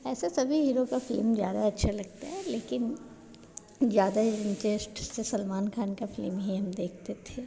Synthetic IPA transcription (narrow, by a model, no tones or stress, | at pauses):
ɛːsasɐbʱiɦiːɾokafɪlmzja̰ːd̪aɐtːʃʰalɐɡ̚t̪aɦɛleːkɪn | zjaːd̪aɪ̃nʈɾesʈsesɐlmaːnkʰaːnkafɪlmɦiɦɐmd̪eːk̚ʰt̪et̪ʰeː